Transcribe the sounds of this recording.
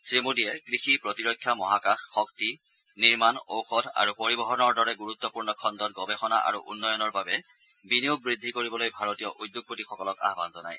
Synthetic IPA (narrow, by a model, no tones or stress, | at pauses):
sɹimudijɛkɹixipɹɔtiɹɔkʰːjamɔɦakaxːɔkti | niɹmano̰wxɔda̰ɹupoɹibɔɦɔnɔɹdɔɹɛɡuɹut̪ːɔpuɹnɔkʰɔndɔt̚ɡɔbɛxɔna̰ʔa̰ɹṵʔṵnːɔjɔnɔɹbabɛ | binijuɡ̚bɹidʱːikoɹibɔlojbʱaɹotijɔʔudːjuɡ̚potixɔkɔlɔka̰ɦba̰nzɔna̰j